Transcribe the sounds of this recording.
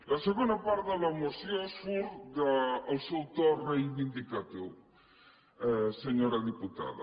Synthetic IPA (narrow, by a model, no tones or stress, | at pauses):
lasəɣond̪apaɾðəlamosjosfuɾd̪aːlsowt̪orejβind̪ikat̪iw | ɛseɲoɾaðiput̪a̰ðɐ̰